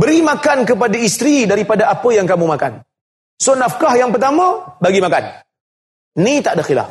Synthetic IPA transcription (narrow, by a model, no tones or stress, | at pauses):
bəɾimakankəp̬adaist̪ɾidaɾipadaapəjaŋkamumakan | sonafkahjaŋpərt̪amə̃baɡimakan | nit̪aʔdaxila̰f